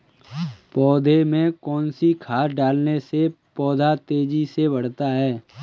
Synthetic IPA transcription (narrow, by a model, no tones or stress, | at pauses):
pɔːd̪ʱemẽkɔːnsikʰaːɾɖaːlnese | pɔːd̪ʱat̪eːd͡ʒisebɐɽ̤t̪aɦɛː